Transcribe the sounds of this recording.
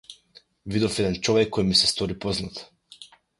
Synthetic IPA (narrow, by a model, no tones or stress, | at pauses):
vid̪ɔfɛd̪ɛnt͡ʃɔvɛkʰːɔjmisɛst̪ɔɾipɔznat̪